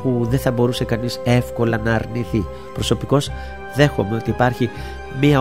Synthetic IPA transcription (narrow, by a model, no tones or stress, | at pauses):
puðeθɐbo̞ɾuse̞kɐnise̞fko̞lɐnɐːɾniθi | pɾo̞so̞piko̞z | ðe̞xo̞me̞o̞t̪iːpɐɾçi | miɐ